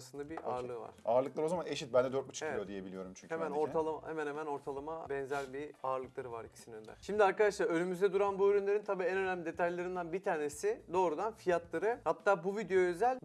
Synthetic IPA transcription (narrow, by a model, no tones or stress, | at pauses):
sɯnd̪abiʔa̰ːɾlˠɯva̰ɾ̥aːɾlˠɯklˠaɾozamaneʃit̪̚bænd̪ɛd̪øɾt̪but͡ʃʰieiijod̪ije̞bilʲijo̞ɾumt͡ʃʰyɲʰhemænoɾt̪ʰalˠamahemɛnhemæno̞ɾt̪ʰalˠamabɛnzæɾbiaːɾlˠɯklˠaɾɯvaɾicʰi̥sinønd̪æ̰̥ʃimd̪iaɾkad̪aʃlˠaɾønymyzd̪ɛd̪uɾanbuøɾynlʲeint̪ʰabiːɛnø̞næmid̪e̞t̪ʰajlˠaɾɯnd̪anbit̪ʰaːne̞sid̪o̞ːɾud̪anfijat̪lˠaɾɯhat̪ʰːaːbuvid̪eoøzælʲ